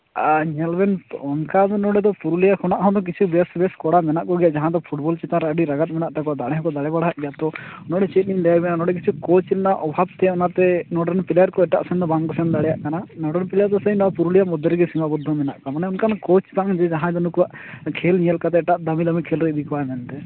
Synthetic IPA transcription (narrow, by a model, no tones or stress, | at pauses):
aɲɛlbɛnɔnkad̪ɔnɔɽɛd̪ɔpuɾulijakʰɔnaʔɦɔ̃d̪ɔk̬it͡ʃʰubɛsbɛskɔɽamɛnaʔkɔɡijaʔd͡ʒaɦãt̪ɔpʰuʈbɔlt͡ʃɛt̪ãɾaɖiɾaɡat̪̚mɛnaʔt̪akuwaʔd̪aɽɛɦɔ̃kɔd̪aɽɛbaɽaɦaʔɡjat̪ɔɔnɔɽɛt͡ʃɛt̪̚ˀnind̪ɛjabɛnanɔɽɛk̬it͡ʃʰukɔt͡ʃlɛnaʔɔbʱabt̪ɛɔnat̪ɛnɔɖənpiljaɾkɔɛʈa̰ʔsɛnd̪ɔbaŋkɔsɛnd̪aɽɛjaʔkananɔɖɛnpilaɾt̪ɔsəĩnɔpuɾulijaʔmɔd̪ʱːɔɾɡɛsimabud̪ʱːɔmɛnaʔkɔmanɛɔnkankot͡ʃt̪ad͡ʒɛd͡ʒaɦãɛd̪ɔnukuwaʔkʰelnijɛlkat̪ɛːʈaʔd̪amilamikʰelɾɛd̪ikɔwamɛnt̪ɛ